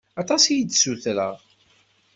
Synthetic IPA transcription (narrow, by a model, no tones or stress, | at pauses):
ɑt̪ˤɑsijit͡sːsuθɾə̰ʁ